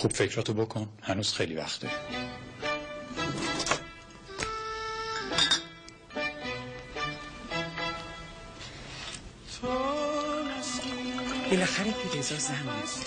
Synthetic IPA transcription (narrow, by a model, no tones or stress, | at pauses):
xub̥fecʰɾɒːt̪ʰobokʰonhænuːz̥xejlivæ̰xt̪d̪ɒ̰ɾi | t̪ʰo | b̥elæxæɾepʰid̪ezɒːzæhmis